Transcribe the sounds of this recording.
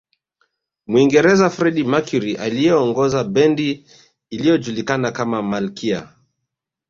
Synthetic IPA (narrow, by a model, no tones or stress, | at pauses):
mwiŋɡɛɾɛzafɾɛɗimakiɾiʔalijɛɔŋɡɔzaɓɛndiː | lijɔd͡ʒulikanakamamalkʰia̰